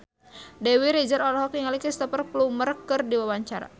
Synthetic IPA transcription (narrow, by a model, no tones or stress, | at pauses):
dɛwiɾid͡ʒaɾɔlɔɦɔk̚iŋalikist̪əpərplumərkɨrdiwawaɲt͡ʃaɾa̰